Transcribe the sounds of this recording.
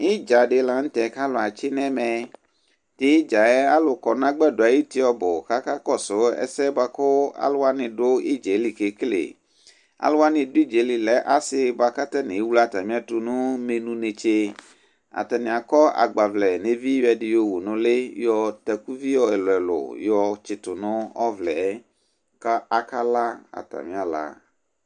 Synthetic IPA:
ɪ˦d͡ʒa˨ɖe˨˦lã˨ŋ̩̃˦t̪ɛ˨ka˦lʊ˨a˨t͡ʃɪ˦nɛ̃˦mɛ̃˨ | t̪ɪ˦d͡ʒa˨ɛ˦a˦lʊ˨kɔ˨nã˦ɡ͡bɛ˦do˨a˨ji˦t̪i˦ɔ˦bʊ˨ka˦ka˦kɔ˦sʊ˨˦ɛ̰˦sɛ˦ba˨kʊ˦a̰˦lʊ˦a˦nɪ̃˨ɖʊ˦i˦d͡ʒe˨˦li˨ke˨klḛ˨ | a̰˦lʊ˦wa˦nɪ̃˨dʊ˦i˦d͡ʒe˨˦li˨lɛ˨ʔa˨sɪ˨˦ba˨ka˦t̪a˦nẽ˨˦wu˦la˦t̪a˨mĩ˦a˨tu˨nũ˦me˨nũ˦ne˨t͡ʃe˦ | a̰˨t̪a˨nɪ̃˨a˨kɔ˦a̰˨ɡ͡ba˨vlɛ˨nẽ˦vi˦jɛ˨dɪ˦jo˦wu˨nʊ̃˦le˦jɔ˦t̪ɛ˨ku˦vi˦jɔ˦ɛ˨lʊ˨ɛ˨lʊ̰˨jɔ˨t͡ʃɪ˨tʊ˨nʊ̃˦ɔ˦vlɛ˨˦ | ka˦a˨ka˦la˦a̰˨ta̰˨mĩ˦a˨la̰˨

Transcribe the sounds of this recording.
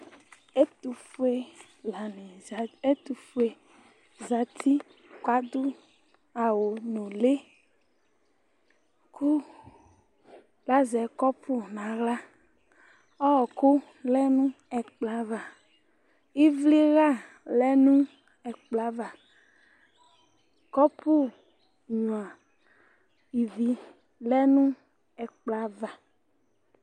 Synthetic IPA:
e˦t̪u˨fu˦e˦ | la˨ne˨e˦t̪u˨fu˦e˨ | za˨t̪ʰi˦ | ka˦d̪u˦ | a˨wo˨no˨le˦ | kʰu˦ | la˦zɛ˨kɔ˦pʰu˦nã˨ɣla˦ | ɔ˦ɔ˨ko˦ | lɛ˦nũ˦ | ɛ˨k͡pla˨˦va˨ | i˦vli˦ɣa˦˨ | lɛ˦nũ˦ | ɛ˨k͡pla˨˦va˨ | kɔ˦pu˦ | ɲũ˨ã˨ | i˨vi˨˦ | lɛ˦nũ˦ | ɛ˨k͡pla˦va˨

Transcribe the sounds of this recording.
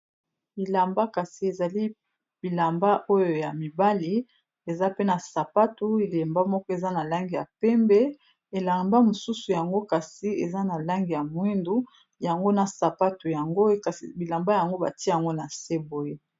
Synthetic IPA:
i˨la˨mba˦ka˨si˨e˨za˨li˦ | b̥i˨la˨mba˦ʔo˦jo˨ja˨mi˨ba˦li˦ | e˨za˦pe˦na˨sa˨pa˦tu˦e˨le˨mba˦mɔ˦kɔ˦e˨za˦na˨la˦ŋɡi˨ja̰˨pɛ˦mbɛ˦ | e˨la˨mba˦mo˨su˦su˨ja˨ŋɡo˦ka˨si˨e˨za˦na˨la˦ŋɡi˨ja˨mwi˦ndu˦ | ja˨ŋɡo˦na˨sa˨pa˦tu˨ja˨ŋɡo˦ka˨si˨bi˨la˨mba˦ja˨ŋɡo˦ba̰˨ti˦e˦ja˨ŋɡo˦na˨se˦bo˨je˦

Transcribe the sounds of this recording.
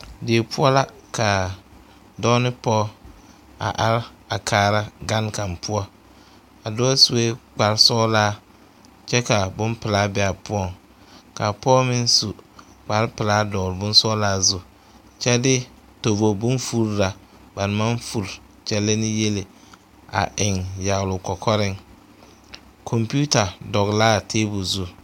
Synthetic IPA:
de˨pʰʊ˦ɔ˦la˦ka˨ | dɔː˦nɪ˦pɔː˦ | a̰˨ʔa˦ɾa˨kʰaː˨ɾa˦ɡa˦nka˨mpʰʊ˦ɔ˦ | a˨dɔ˦a˦su˨e˦k͡pa˨ɾsɔː˦laː˦ | t͡ʃɛ˦ka˨bʊ˦mpɪ˨laː˦bɛ˨a˨pʊ˦ɔ˨ŋ | ka˨pɔː˦mɪ˦nsu˨ | k͡pa˨ɾpɪ˨laː˦dɔ˨ɾbʊ˦n˦sɔ˦laː˦˨zʊ˦ | t͡ʃɛ˦dɪ˦ | to˨vo˨bʊ̃˦nfu˦ɾɾa˨ | ba˨n˦ma˦nfu˨ɾ | t͡ʃɛ˨le˦nɪ˦je˦le˨ | a̰˨ʔɪ˨ŋja˨ɣlʊ˨kɔ˨kʰɔ˦ɾɪ˦ŋ | kʰɔ˨mpi˦u˦ta˨dɔ˨ɣlaː˦˨tʰeː˦bu˨zu˦

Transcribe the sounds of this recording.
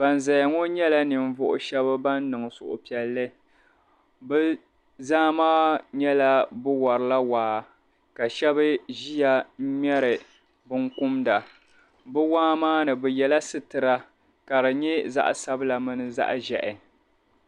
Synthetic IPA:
b̥a˨n˨za˨ja˨ŋɔ˦ɲɛ˦la˦nɨ˨ɱ̩˦vʊ˦ʔʊ̰˨ʃɛ˦bɨ˦ba˦nːɨ˨ŋ˨sʊ˨ʔʊ̰˨pi˨ɛ˨lːɨ˦ | bɨ˦ | zaː˦maː˦ɲɛ˦la˦bɨ˦wɔ˨ɾɨ˨la˦waː˨˦ | ka˨ʃɛ˦bɨ˦ʒi˦ja˨˦ɲɛ˦ɾɨ˨ | bɨ˦ŋkʊ˦mda˨ | bɨ˦waː˦maː˦nɨ˨bɨ˨jɛ˨la˦sɨ˦tɨ˨ɾa˦ | ka˨ɾɨ˨ɲɛ˦za̰˦ʔsa˦bɨ˦la˨mɨ˦nɨ˦za̰˦ʔʒɛ˨ʔɪ˨

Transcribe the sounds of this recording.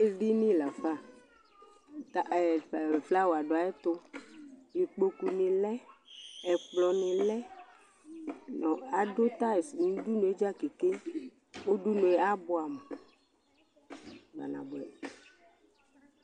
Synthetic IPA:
e˦vi˦nĩ˦˨la˨fa˦˨ | t̪a˦˨fla˦wo˨a˨ɖɔ˨a˨ɛ˦t̪ʊ˦ | ni˨k͡po˨ku˨nĩ˨lɛ˦ɛ˨k͡plɔ˨nĩ˨lɛ˦ | nɔ̃˨a˨ɖo˦t̪a˦e˨snũ˦du˦nũ˨e˦d͡ʒa˦ke˨ke˦ | wo˦ɖu˦nũ˨e˦a˦bɔ˦a˨me˨ | ba̰˨nã̰˨bɛ˨

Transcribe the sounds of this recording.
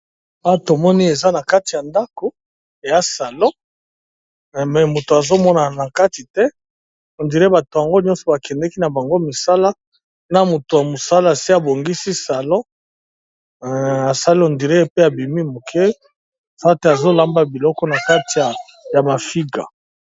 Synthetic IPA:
a˦to˨mɔ˦ni˦e˨za˦na˨ka˦ti˨ja˨nda˦ko˨ | ja˦sa˨lɔ̃˦˨ | mɛ˨mo˨to˨a˨zo˦mɔ˦na˨na˨ka˦ti˨tɛ˦ | o˨ndi˨ɾe˦ba˨to˨ja˨ŋɡo˦ɲɔ˦nsɔ˨ba˨kɛ˨ndɛ˦ki˦na˨ba˨ŋɡo˦mi˨sa˦la˦ | na˨mo˨to˨ja˨mo˨sa˦la˦˨si˦a˨bo˨ŋɡi˦si˦sa˨lɔ̃˦ | a˨sa˦li˦o˨ndi˨ʁe˦pe˦a˨bi˨mi˦mo˨kʰe˦˨ | sa˦a˦te˦a˨zo˦la˦mba˦bi˨lɔ˦kɔ˦na˨ka˦ti˨ja˨ | ja˨ma˨fi˦ɡa̰˨

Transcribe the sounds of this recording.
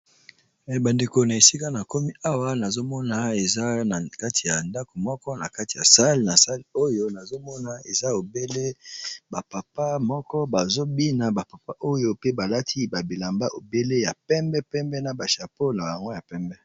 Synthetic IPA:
ba˨nde˨ko˨na˨e˨si˦ka˦na˨ko˦mi˦a˦wa˦na˨zo˦mɔ˦na˨e˨za˦a˨ka˦ti˨ja˨nda˦ko˨mɔ˦kɔ˦na˨ka˦ti̥˨ja̰˨sa˦li˨na˨sa˦li˦o˦jo˦na˨zo˦mɔ˦na˨e˨za˦o˨be˦le˦ba˨pa˨pa˦mɔ˦kɔ˦ba˨zo˦bi˦na˨ba˨pa˨pa˦ʔo˦jo˦pe˦ba˨la˦tʰi˦ba˨bi˨la˨mba˦ʔo˨be˦le˦ja˨pɛ˦mbɛ˦pɛ˦mbɛ˦na˨ba˨ʃa˨po˦na˨ja˨ŋɡo˦ja˨pɛ˦mbɛ˦

